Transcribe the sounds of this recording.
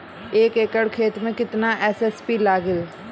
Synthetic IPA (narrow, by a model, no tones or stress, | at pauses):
eːkeːkəɽkʰeːt̪mẽkɪt̪naʔɛːsɛːspilaːɡɪl